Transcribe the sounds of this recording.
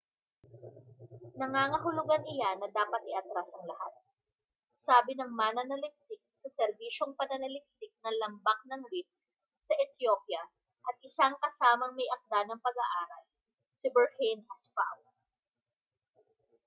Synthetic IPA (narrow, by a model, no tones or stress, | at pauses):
nɐŋaːŋɐɦʊlʊɡanʔɪjanɐd̪aːpɐt̪̚ʔɪʔɐt̪ɾasɐŋlɐhat̪̚ | saːbɪnɐŋmaːnɐnɐlɪk̚sɪk̚sɐsɛɾbiːʃo̞ŋpɐnɐnɐlɪk̚sɪk̚nɐlɐmbak̚nɐŋɾɪf̚ | sɐʔɛt̪jopjɐ | ʔɐt̪̚ʔɪsaŋkɐsaːmɐŋmɐjʔɐk̚d̪anɐŋpɐɡɐʔaːɾɐl | sɪbɛɹhenhɐspa̰wɛ